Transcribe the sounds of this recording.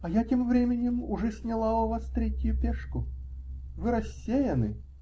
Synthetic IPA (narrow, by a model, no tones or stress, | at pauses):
ɐjatʲemvɾʲemʲɪnʲɪmʊʐɛsʲnʲalˠaʊvast̪ɾʲetʲɪjʊpʲɛʂkʊ | vɨɾɐsʲːejɐnɨ